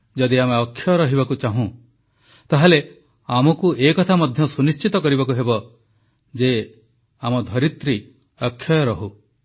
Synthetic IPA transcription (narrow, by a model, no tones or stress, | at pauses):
d͡ʒɔd̪iameɔkʰːjɔjɔɾɔɦibakut͡ʃaɦũ | t̪aɦale | amɔkuekɔt̪ʰamɔd̪ʱjɔsunist͡ʃit̪ɔkɔɾibakuɦebɔ | d͡ʒe | amɔd̪ʱɔɾit̪ɾi | ɔkʰːjɔjɔɾɔɦu